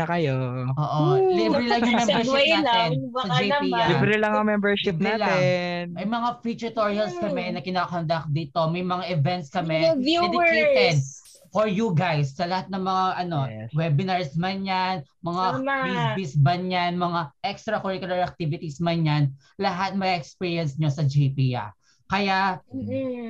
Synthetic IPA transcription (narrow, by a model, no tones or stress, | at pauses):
ɐkɐjo | ʔoːʔolibɾɛlɐŋjʊŋbmɛmɛɹnaːɛnsɐd͡ʒejilibɾɛlɐŋɐŋmɛmbɛɹʃɪbp̚naːlaɛnmɐjmɐŋafit͡ʃɛt̪oɹiɐlskɐmɛnɐkɪnaːkɐnd̪ɐk̚d̪iːt̪o̞mɐjmɐŋaʔɪvɛnt̪̚skɐmɛuɛdɪket̪ɛd̪̚ | foɹjuɡajsːɐlɐhat̪̚nɐŋmɐŋaʔɐno̞wɛbɪnaɹsmɐɲanmɐŋaisbisbɐɲanmɐŋaʔɛkst̪ɾɐkoɹikʊlɐɹɐk̚t̪ivɪt̪ismɐɲan | lɐɦat̪̚mɐɡʔɛkspiːɹjɐnsɲosɐd͡ʒejpijɐ̰ | kɐjaʔ